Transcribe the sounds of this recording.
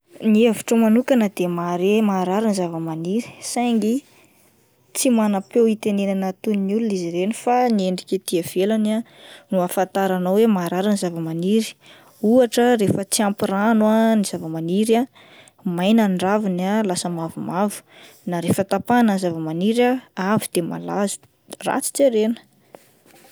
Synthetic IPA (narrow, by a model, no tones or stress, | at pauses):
nieviʈ͡ʂəmanukanəd̪emaɾemaːɾaɾinizavəmaniɾi̥sajŋɡi | t͡simanapewit̪enenanat̪uninuluniziɾenifanieɳɖ͡ʐikʲet̪iav̥elananuafant̪aɾanawwemaːɾaɾanizavəmaniɾi̥ | uaʈ͡ʂəɾefət͡siampiɾanwaniz̥avəmaniɾa | majnanɖ͡ʐavinalasəmavumavu̥naɾefət̪apanənzavəmaniɾaavid̪̥ema̰lazu̥ | ra̰t͡si̥t͡seɾenə̥